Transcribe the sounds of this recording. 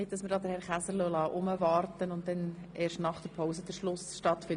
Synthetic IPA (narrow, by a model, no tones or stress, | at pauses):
ɪt̚d̥ɑsməɾdɑːd̪əɾhɛɾχæsəɾlœlɑːʔʊməʋɑːrtənʊnt̚dɛnɛːɾʃtnɑχd̥əɾpʰɔʊsəd̥əɾʃlʊsʃtɑt̪fɪ